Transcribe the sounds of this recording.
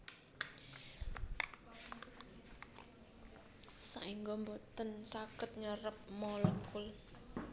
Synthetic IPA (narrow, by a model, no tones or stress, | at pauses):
sa̰ʔiŋɡɔmbot̪ənsakɪt̪̚ɲəɾəp̚mɔlɔŋkʊl